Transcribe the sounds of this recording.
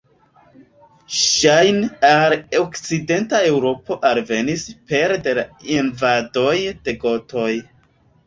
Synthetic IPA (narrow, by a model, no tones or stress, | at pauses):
ʃajnalokt͡side̞ntae̞wɾo̞po̞ʔalve̞nispe̞ɾdelainvado̞jd̥e̞ɡo̞to̞j